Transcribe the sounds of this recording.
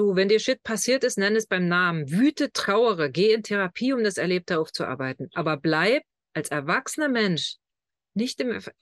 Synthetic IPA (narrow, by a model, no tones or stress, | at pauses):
d̥uːvɛndiːɐʃɪt̚pʰasiːɐtɪstnɛnəɛsb̥aɪmnaːmənvyːtətʁ̥aʊəʁəɡeːɪntʰeʁ̞apʰiːʊmdasɛɐleːp̚tʰəaʊft͡suʔa̰ɐbaɪtn̩ʔaːbɐblaɪp̚ | ʔalsɛɐvaksənɐmɛnʃ | nɪçtɪm